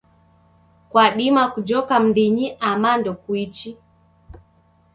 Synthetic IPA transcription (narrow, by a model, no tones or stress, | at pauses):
kwaɗimakud͡ʒɔkam̩diɲiʔamandɔkwit͡ʃi